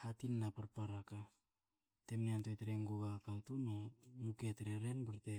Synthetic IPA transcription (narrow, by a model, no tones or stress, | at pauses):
hatinːapaɾpaɾaka | te̞mneantoeteɾeŋɡoɡakaltunomuketɾeɾe̞nbaɾte